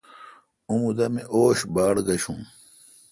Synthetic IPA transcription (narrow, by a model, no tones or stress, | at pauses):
umud̪ɐmiʔoːɕbaːɽɡɐɕũː